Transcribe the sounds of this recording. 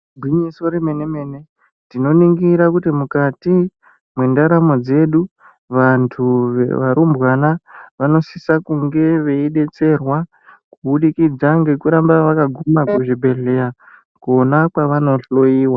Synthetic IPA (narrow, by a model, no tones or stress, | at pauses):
bʱwiɲisoɾime̞neme̞ne̞ | tino̞niŋɡiɾakutimukati | mwendaɾamo̞d͡ze̞ɗu | ʋantʰuʋḛʋaɾumbwanaʋano̞sisakuŋɡe̞ʋe̞iɗe̞t͡se̞rwa | kuɓuɗikid͡zaŋɡe̞kuɾambaʋakaɡʱumakuʐibʱe̞ɮe̞ɾa | konakwaʋano̞ɬo̞jiːwa